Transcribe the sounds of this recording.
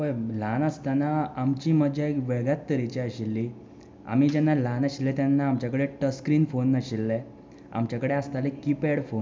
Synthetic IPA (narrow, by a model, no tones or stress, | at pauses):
ʋəjlanəst̪anaamt͡ɕiːməd͡ʑaekʋeɡjat̪ːəɾit͡ɕiaɕilːi | a̰m̤iːd͡ʑɛnːalanaɕilːẽt̪janːaːmt͡ɕakəɽeʈəskɾiːnfonːaɕilːe | a̰mt͡ɕakəɽeast̪alekipeɽfon